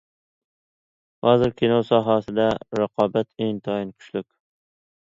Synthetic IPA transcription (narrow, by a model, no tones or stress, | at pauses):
hɒzɪɾkʲʰenɒwsɒɦasɪd̪aɾaqʰɒbat̪ʰeŋt̪ʰɒɪnkʰʊ̥ʃlʊkʲ